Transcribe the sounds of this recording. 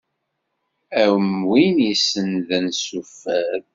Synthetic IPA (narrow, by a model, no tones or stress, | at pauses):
æwəmwinisːənðænsufːæð